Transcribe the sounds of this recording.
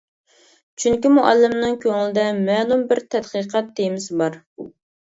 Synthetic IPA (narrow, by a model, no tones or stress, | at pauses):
t͡ʃʰyŋkʲimuʔɑlːɪmnɨŋkʲʰøŋɪlɪd̪ɛmɛːlˠumbɪɾt̪ʰɛd̪qɨqʰɑt̪ːejmɪsɪbɑɾ